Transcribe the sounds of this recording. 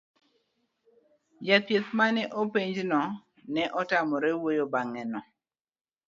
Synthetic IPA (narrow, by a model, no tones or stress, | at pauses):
jat̪jet̪manɛʔopeɲd͡ʒnɔ | nɛʔɔtamɔɾɛwojobaŋɛnɔ